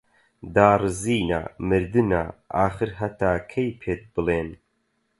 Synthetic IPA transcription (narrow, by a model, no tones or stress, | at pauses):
d̪aːrɨziːna̰mɨɾd̪ɨna̰ːʔaːχɨɾɦɐt̪ʰaːkʰejpʰeːt̪̚bɨleːn